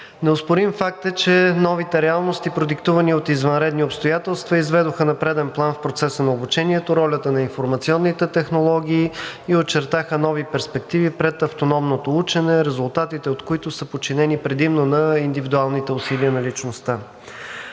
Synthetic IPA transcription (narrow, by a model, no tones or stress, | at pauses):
nɛʊspʊɾimfak̚t̪ət͡ʃɛnɔvit̪ɛɾɛalˠnost̪ipɾod̪ikt̪uvɐniot̪izvɐnɾɛd̪niopst̪ojat̪ɛlˠst̪vɐizvɛd̪oxənɐpɾɛd̪ɛnplˠanfpɾot̪sɛsənɐobut͡ʃɛnʲiɛt̪oɾɔlʲət̪ənɐinfoɾmɐt̪siɔnːit̪ɛt̪ɛxnolˠɔɡʲiːiot͡ʃɛɾt̪axənɔvipɛɾspɛk̚t̪ivipɾɛt̪ɐft̪onɔmnot̪out͡ʃɛnɛɾɛzʊlˠt̪at̪it̪ɛot̪koit̪ʊsəpot͡ʃinɛnipɾɛd̪imnonɐind̪ivid̪ualˠnit̪ɛʊsiliənɐlit͡ʃnost̪a